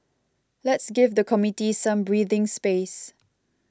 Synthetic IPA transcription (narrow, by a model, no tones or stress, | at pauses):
lɛtsɡɪvdəkʰɔmitisãmbɹiːðɪ̃ŋspes